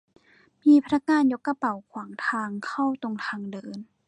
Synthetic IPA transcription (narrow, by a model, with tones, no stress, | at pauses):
miː˧pʰa˧na˧˥k̚ŋaː˧njo˦˥kːa˧pa˨˩wkʰwaː˩˦ŋt̪ʰaː˧ŋkʰa˥˩wt̪o˧ŋt̪ʰaː˧ŋdɤː˧n